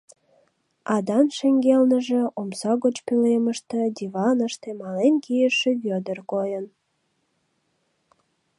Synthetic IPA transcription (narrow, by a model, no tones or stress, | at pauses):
ɑd̪ɑnʃeŋɡelnəʒĕomsɑɣot͡ɕpyleməʃt̪ĕd̪ʲivɑnəʃt̪emɑlenkijəʃĕβød̪ərkojən